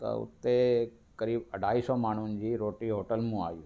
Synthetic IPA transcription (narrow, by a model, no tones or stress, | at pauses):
t̪ɐ̰ʊ̰t̪ːe | kəɾiːbɐɖʱaːisɔmaːɳ̤ʊnd͡ʑiːɾoːʈiɦoːʈəlmũa̰ːjṵ̃ː